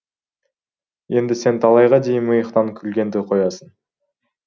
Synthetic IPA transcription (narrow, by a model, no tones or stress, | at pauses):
e̞nd̪ɪse̞nt̪ʰɑlˠɑjʁɑd̪e̞jɪnməjəqt̪ɑŋkʲʰʏlɡʲe̞nd̪ɪqʰo̞jɑsən